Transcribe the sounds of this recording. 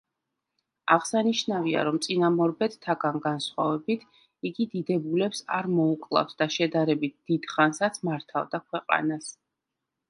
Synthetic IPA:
aʁsaniʃnavia̰ɾɔmt̪sʼinamɔɾbɛt̪t̪ʰːaɡanɡansχwavɛbit̪ʰ | iɡid̪id̪ɛbulɛpsa̰ɾmɔukʼlˠa̰fsd̪aʃɛd̪aɾɛbit̪̚ʰd̪̥id̪̥χansat̪sʰmaɾt̪ʰa̰vd̪akʰwɛqʼa̰nas

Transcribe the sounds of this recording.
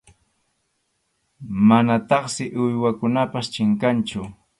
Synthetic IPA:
manat̪ɑχsɪʔʊjwakʊnapast͡ʃɪŋkant͡ʃʊ

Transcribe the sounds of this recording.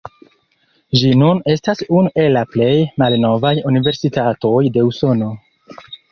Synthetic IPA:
ʒinune̞stasunue̞lːaple̞jmalno̞vajunive̞ɾsitato̞jde̞uso̞no̞

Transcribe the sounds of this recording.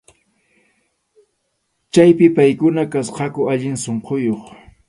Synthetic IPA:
t͡ʃajpɪpajkʊnakasqɑkʊaʎɪŋsoɴqojoχ

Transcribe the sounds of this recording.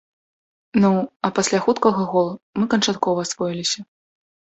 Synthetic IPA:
nuɐpasʲlʲaxut̪kɐɣɐɣɔlˠmɨkɐnt͡ʂat̪kɔvɐːsvɔilʲisʲɐ

